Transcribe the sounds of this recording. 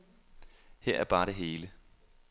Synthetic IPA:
heɐ̰ʔæɐb̥ɑ̈ːɾ̥e̝ɦe̝ːlə

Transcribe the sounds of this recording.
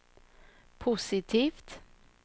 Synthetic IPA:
pʰʊsɪt̪ʰiːft̪

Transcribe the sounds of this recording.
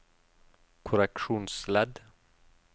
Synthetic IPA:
kʰʊɾɛkʃuːnslɛd̪

